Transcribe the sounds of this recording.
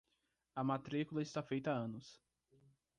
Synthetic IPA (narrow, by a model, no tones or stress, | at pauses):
ɐmat̪ɾikulɐɪst̪afejt̪ɐaɐ̃nʊs